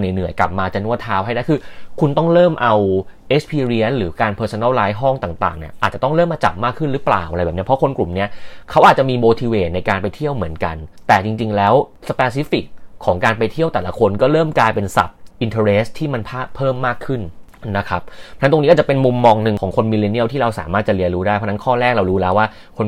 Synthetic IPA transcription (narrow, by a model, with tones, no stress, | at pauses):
na˨˩jnɯ˨˩əjka˨˩p̚maː˧t͡ɕa˨˩nu˥˩ɐt̪ʰːaː˦˥whɦa˥˩jna˦˥˩kʰɯː˧kʰu˧nt̪ɔ˥˩ŋɾɤː˥˩mʔa˧wʔe˦˥spʰiː˧ɾi˧˦˥nɾɯː˩˦kaː˧npʰɤː˧so˧na˥˩wlaː˦˥jɦɔ˥˩ŋt̪aː˨˩ŋt̪a̰ː˨˩ŋnḭ˥˩ʔaː˨˩t̪̚t͡ɕa˨˩t̪ɔ˥˩ŋɾɤː˥˩mːaː˧t͡ɕa̰˨˩p̚maː˥˩kʰːɯ˥˩nɾɯː˦˥pla̰ː˨˩wʔa˧ɾjbɛː˨˩ni˦˥pʰɔ˦˥kʰo˧nklu˨˩mni˦˥ɐkʰa˦˥wʔaː˨˩t̪̚t͡ɕa˨˩miː˧moː˧t̪ʰiː˧weː˨˩t̪̚na˧jkaː˧npa˧jt̪ʰi˥˩əwmɯ˩˦ənka˧nt̪ɛː˨˩t͡ɕi˧ŋt͡ɕi˧ŋlɛː˦˥w | sə˧pɛː˧si˦˥fi˨˩k̚ʰːɔː˩˦ŋkaː˧npa˧jt̪ʰi˥˩əwt̪ɛː˨˩la˧˩kʰo˧nkɔː˥˩ɾɤː˥˩mklaː˧jpe˧nsa̰˨˩p̚ʔi˧nt̪ʰə˧ɾeː˦˥st̪ʰːiː˥˩ma˧npʰaː˥˩pʰːɤː˥˩mːaː˥˩kʰːɯ˥˩n | na˦˥kʰa˦˥p̚pʰɔ˥˧n˥t̪o˧ŋni˦˥kɔ˥˩t͡ɕa˨˩pe˧nmu˧mːɔː˧ŋnɯ˨˩ŋkʰɔː˩˦ŋkʰo˧nmi˧le˧ni˥˩wt̪ʰiː˥˩ɾa˧wsaː˩˦maː˥˩t̪̚t͡ɕa˨˩ʔli˧ənɾuː˦˥daː˥˩pʰɔ˦˥˧na˦˥nkʰɔː˥˩ɾɛː˥˩k̚ɾa˧wɾuː˦˥lɛː˦˥waː˥˩ | kʰo˧n